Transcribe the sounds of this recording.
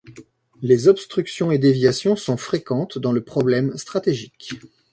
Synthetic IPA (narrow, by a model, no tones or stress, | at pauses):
lezɔpst̪χyksjɔ̃ed̪evjasjɔ̃sɔ̃fχekɑ̃t̪d̪ɑ̃ləpχɔblɛmst̪χat̪eʒik